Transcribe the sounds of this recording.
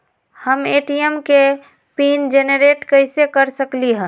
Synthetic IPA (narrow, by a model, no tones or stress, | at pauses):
həmeːʈiemke | piːnd͡ʒenəɾeːʈkəɪsekəɾsəkliɦɛ̃